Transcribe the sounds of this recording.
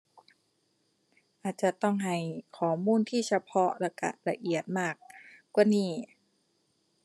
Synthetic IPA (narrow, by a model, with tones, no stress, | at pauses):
ʔaː˨˩t̪̚t͡ɕa˨˩t̪ɔ˥˩ŋɦa˧˩jkʰɔː˨˩˦muː˧˥˨nt̪ʰiː˥˩t͡ɕʰa˧pʰɔ˦˥la˧˩ka̰˧˩la˧ʔi˨˩ət̪̚maː˥˩k̚ːwaː˥˩niː˥˩